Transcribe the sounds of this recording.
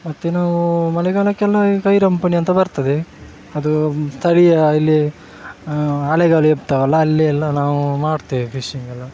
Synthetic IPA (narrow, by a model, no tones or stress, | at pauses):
mɐt̪ːenaːʋumɐlɛɡaːɭɐkːɛlːɐkɐjɾɐmpɐniɐnt̪ɐbɐɾt̪ɐd̪e | ɐd̪ust̪ʰɐɽijɐilːi | aːlɛɡaːɭueb̚t̪ɐʋɐlːɐːlːiɛlːɐnaːʋumaːɽt̪iːʋipʰiʂiŋɡɐlːɐ